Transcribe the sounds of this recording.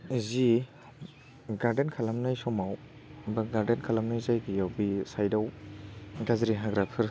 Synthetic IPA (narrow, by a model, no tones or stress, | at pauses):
zi | ɡaɾdenkʰalamnajsɔmaw | baɡaɾdenkʰalamnajzajɡijawbisajdaw | ɡazɾiɦaɡɾapʰiɾ